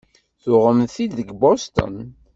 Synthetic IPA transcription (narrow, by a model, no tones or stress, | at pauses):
θʊʁəmθiðəɡbost̪ə̰n